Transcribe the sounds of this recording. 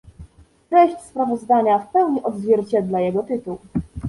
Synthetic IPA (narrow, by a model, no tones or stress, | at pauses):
tɾɛɕt͡ɕspɾavɔzd̪aɲafpɛwɲiʔɔd̪zvʲjɛɾt͡ɕɛd̪lajɛɡɔt̪ɘt̪uw